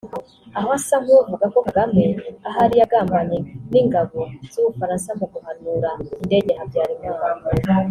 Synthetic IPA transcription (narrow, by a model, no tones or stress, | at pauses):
aɦoasaŋuuvuɡako̞ŋɡameaɦaɾijaɡaːmbaɲeniŋɡaβoz̥uβufaɾaːnsamoɡuhanuːɾainde̞ɟehabɟaːɾimua